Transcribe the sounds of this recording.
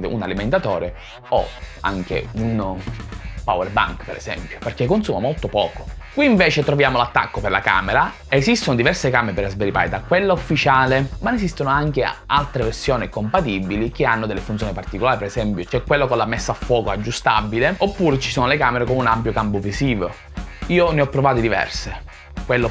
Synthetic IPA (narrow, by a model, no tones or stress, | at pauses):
unaliment̪at̪ɔːɾe | o̰a̰ŋk̟ḛun | pawɛrba̰ŋkpeɾḛsɛ̰mpjo̥perkekːonsuːmamolt̪opɔ̰ːko̥kwiːɱveːt͡ʃet̪ɾovjaːmolat̪ːa̰kːoperla̰ka̰ːmeɾa | ezist̪onod̪ivɛrsekaːmeɾepeɾazbeɾipa̰ːjt̪akːwelːaufːit͡ʃaːlemanesist̪onoaŋk̟ealt̪ɾeversjoːnikompat̪ibilik̟eanːod̪elːefunt̪sjoːnipart̪ikolaːɾipeɾesɛmpjot͡ʃɛkːwelːokolamesːaafːwɔːkoad͡ʒːust̪a̰bileopːuːɾet͡ʃi̥soːnolekaːmeɾekomunampjokampovisiːvo | iːoneɔpːɾovaːt̪od̪ivɛ̰rse | kwelːo